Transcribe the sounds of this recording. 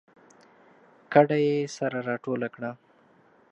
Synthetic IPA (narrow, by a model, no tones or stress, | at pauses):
kaɖajesaɾaɾɑʈolakɽa